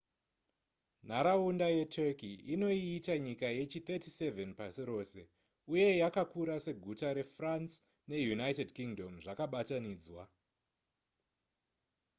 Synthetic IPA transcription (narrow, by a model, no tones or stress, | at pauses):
n̤aɾaundaje̞tʰekiino̞iːtaɲikaje̞t͡ʃit̪etise̞venpasiɾo̞ːse̞ | uje̞jakakuɾase̞ɡʱutaɾe̞frans | ne̞junajtedkiŋdo̞mʐakaɓataniːd͡zwa